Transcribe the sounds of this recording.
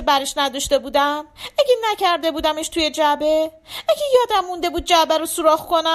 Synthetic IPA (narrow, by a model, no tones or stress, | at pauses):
ebæɾeʃnæd̪ɒʃt̪e̞buːd̪æmæɡʲenæcʰæɾd̪e̞buːd̪æmeʃt̪ʰujed͡ʒæbe | æɡejɒːd̪æmːund̪e̞buːd̪̚d͡ʒæbæɾosuɾɒːɣkʰo̞næ